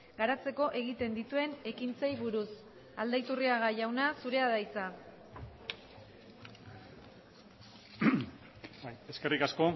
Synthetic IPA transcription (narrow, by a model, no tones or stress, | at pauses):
ɡaɾat͡se̞ko̞ʔe̞ɣit̪e̞nd̪it̪ue̞ne̞kint͡sajβuɾus | ald̪ajt̪uriaɣaʝawnasuɾe̞aðajt͡sa | baje̞ske̞rikasko̞